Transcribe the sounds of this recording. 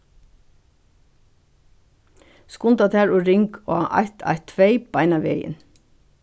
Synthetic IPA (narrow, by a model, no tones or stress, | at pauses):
skʊnt̪at̪ʰæːɹɔɾɪŋkɔ̰ːaʔa̰jt̪ʰa̰ɪt̪ʰʋeɪb̥aɪnaʋejɪ̰n